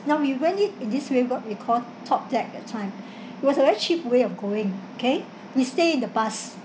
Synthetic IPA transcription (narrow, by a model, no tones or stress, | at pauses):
naʊwiwɛ̃nit̚ĩndiswewɔt̚wikʰɔl | tʰɔp̚dɛk̚dɛ̰tʰãɪ̃m | it̚wɔsəvɛɹit͡ʃip̚weɔfɡoɪ̃ŋokʰe | wisteĩndəpas